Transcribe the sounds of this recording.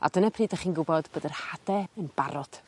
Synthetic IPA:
a̰dənəpʰriːdaχiːnɡʊbɔd̥boːdərhadɛənbaɾɔd̥

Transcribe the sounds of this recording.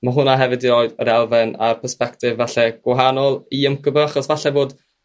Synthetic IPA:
maɦʊnaɦɛvɨdiɾɔːjdəɾɛlˠvɛnarpʰərspɛktʰɪvːaɬɛɡ̥waɦanɔlˠiəmkʰəbəaχɔsvaɬɛvoːd

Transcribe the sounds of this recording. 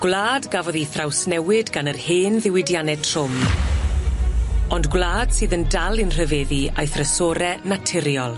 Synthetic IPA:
ɡ̥wlˠaːdɡavɔðiθrawsnɛwɪdɡanərheːnðɪwɪdjanɛtʰrʊm | ɔndɡwlaːd̥sɨːðəndalˠɨnr̥əveːðiajθrəsɔɾɛnatʰɪɾjɔlˠ

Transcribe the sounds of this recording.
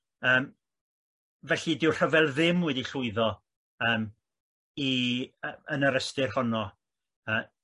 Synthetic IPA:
əːm | vɛɬidɪwr̥əvɛlˠðɪmwɛdiɬʊɨðɔ | əːm | iəənəɾəstɪrhɔnɔ | əː

